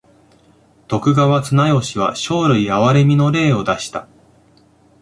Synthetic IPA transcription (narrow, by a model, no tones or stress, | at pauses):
t̪o̞kɯ̟ɡaβat͡sɨnajo̞ɕiβ̞a̰ɕo̞ːɾɯ̟iaβaɾe̞mʲino̞ɾe̞ːo̞d̪aɕi̥t̪a̰